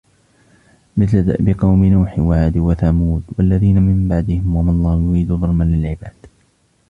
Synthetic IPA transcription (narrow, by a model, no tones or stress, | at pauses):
mɪθlad̪a̰ʔbɪqɑwmɪnuːħɪwaʕaːd̪uːwaθamuːd̪walːaðiːnamɪmbaʕd̪ɪhɪmwamɑlˤːɑːhjʊɾiːd̪uːðˤɑlmanlɪlʕɪbaːd̪̥